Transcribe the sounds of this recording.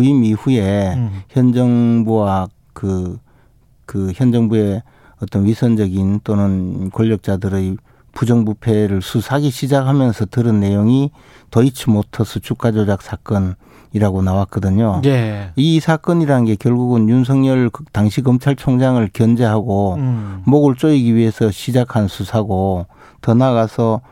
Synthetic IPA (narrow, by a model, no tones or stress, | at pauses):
uimiɸue̞çjʌnd͡ʑʌŋbuwa | kɯ | kɯçjʌnd͡ʑʌŋbue̞ | ʌt͈ʌnɥisʰʌnd͡ʑʌɡint͈onɯnkoʎːʌk̚t͡ɕ͈adɯɾej | pud͡ʑʌŋbupʰe̞ɾɯɭsʰusʰaɡiɕʰid͡ʑak̚hamjʌnsʰʌtɯɾɯnːe̞joŋi | tʌit͡ɕʰimotʰʌsʰʌt͡ɕʰuk͈ad͡ʑod͡ʑak̚s͈ʰak͈ʌn | iɾaɡonawak͈̚ʌdɯɲoisʰak͈ʌɲiɾanɯnɡe̞kjʌɭɡuɡɯnjuns̬ʰʌŋɲʌɭtaŋɕʰikʌmt͡ɕʰaɭt͡ɕʰoŋd͡ʑaŋɯɭkjʌnd͡ʑe̞ɦaɡomoɡɯɭt͡ɕ͈oiɡiɥiɦe̞sʰʌɕʰid͡ʑakʰansʰusʰaɡo | tʌnaɣasʰʌ